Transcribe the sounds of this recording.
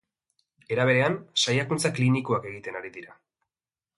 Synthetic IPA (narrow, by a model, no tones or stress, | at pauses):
e̞ɾaβ̞e̞ɾe̞ansajakunt͡saklinikoake̞ɣ̞it̪e̞naɾiðiɾa